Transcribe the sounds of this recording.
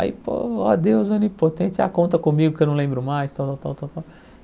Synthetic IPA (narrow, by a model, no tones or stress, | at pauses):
a̰ḭpo̰ɔd̪ewzõnipot̪ẽt̪a̰kõnt̪ɐkõmiɡʊpkewnɐ̃w̃lẽbɾʊmajst̪ãwt̪awt̪awt̪awt̪aw